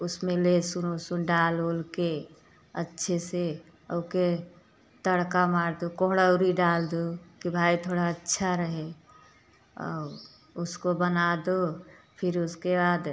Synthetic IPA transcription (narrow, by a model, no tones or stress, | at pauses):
ʊsmẽlesʊnosunɖaːlolke | ətːʃʰese | oke | t̪əɽkamaːɾd̪okoɦɽəʊɾiɖaːld̪okibʱaːit̪ʰoːɽaətːʃʰaɾəɦe | ɔ̰ː | ʊskobənad̪o | pʰɪɾʊskebaːd̪